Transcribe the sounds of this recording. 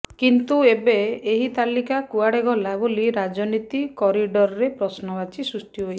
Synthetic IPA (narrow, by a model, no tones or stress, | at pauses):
kint̪uebeːɦit̪alikakuaɽeɡɔlabuliɾad͡ʒɔnit̪ikɔɾiɖɔɾɔɾepɾɔsnɔbat͡ʃisɾusʈʰiɦoj